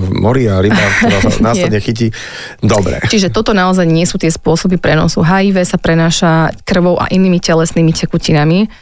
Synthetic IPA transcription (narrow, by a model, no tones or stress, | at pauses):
mɔɾiaɾibanaːslɛd̪ɲɛxic̬i | d̪ɔbɾɛ̰t͡ʃiʒɛt̪ɔt̪ɔnaɔzajɲɪɛsuːt̪ɪɛspʊɔsɔbipɾɛnɔ̰suɦaiʋɛsapɾɛnaːʃakr̩ʋɔʊʔa̰ʔiniːmicɛlɛsniːmicɛkucinami